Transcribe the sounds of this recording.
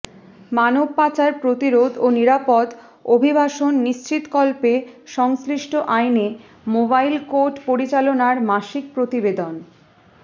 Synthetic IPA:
manobpat͡ɕaɾpɾot̪iɾod̪oniɾapɔd̪ | obʱibaʃonːiʃt͡ɕit̪kɔlpeʃɔŋsɾiʃʈʰoʔajne | mobajlkoʈpoɾit͡ɕalonaɾmaʃik̚pɾot̪ibed̪on

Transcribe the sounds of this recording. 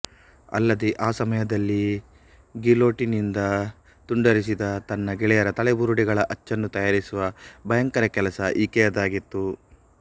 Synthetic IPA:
ɐ̰lːɐd̪eʔaːsɐmɐjɐd̪ɐlːi | ɡilo̞ːʈinind̪ɐ | t̪uɳɖɐɾis̬id̪ɐt̪ɐnːɐɡɛɭɛjɐɾɐt̪ɐɭebuɾuɽiɡɐɭɐʔɐt͡ʃːɐnːut̪ɐjaːɾisuʋɐbʱɐjɐŋkɐɾɐkɛlɐsɐʔiːkɛjɐd̪aːɡit̪ːu

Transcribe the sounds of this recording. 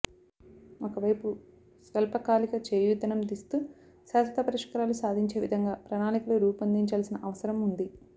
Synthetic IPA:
okɐʋɐjpu | sʋɐlpɐkaːlikɐt͡ʃeːjud̪ʱːɐnɐmd̪ist̪u | saːsɐt̪ʰɐpɐɾiʂkɐɾalusaːd̪ʱiɲt͡ʃe̞ːʋid̪ʱɐŋɡaːpɾɐnaːnikulɐɾuːpɐnd̪iɲt͡ʃaːlsinɐʔɐʋɐsɐɾɐmund̪i

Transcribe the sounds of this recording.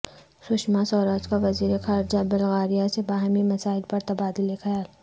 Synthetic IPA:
sʊʃmasɔːɾaːd͡ʒkaʋɐziːɾexaːɾd͡ʒabɪlɣaːɾijasebaːɦmimɐsaːɪlpɐɾt̪ɐbaːd̪ɪlexɐjaːl

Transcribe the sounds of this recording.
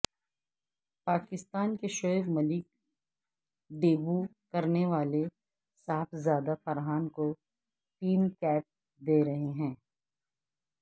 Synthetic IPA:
paːkɪst̪aːnkeʃoʋmɐlɪk̚ | d̪eːbu | kɐɾneʋaːle | saːfʰzjaːd̪afɐɾɦaːnko | ʈ̪iːmkɛːp̚ | d̪eːɾɐɦeɦɛ̃ː

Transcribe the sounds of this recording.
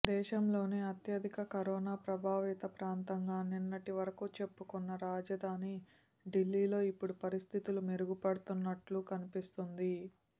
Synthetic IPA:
d̪ɛːʃɐmlo̞ːneːɐt̪jɐd̪ʱikɐkɐɾoːnaːpɾɐbʱaːʋiːt̪ɐpɾaːnt̪ɐŋɡaːninːɐʈiʋɐɾɐkut͡ʃe̞pːukunːɐɾaːd͡ʒɐd̪ʱaːni | ɖilːiːlo̞ːipːuɽupɐɾist̪ʰit̪ulumeɾuɡupɐɽut̪unːɐʈlukɐnipist̪und̪i

